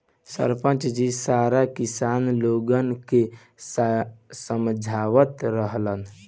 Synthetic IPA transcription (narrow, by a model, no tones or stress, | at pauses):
sə̰ɾpə̃nt͡ʃd͡ʒisaɾakisanloɡənke | ssəmd͡ʒʱaʋət̪ɾəɦlən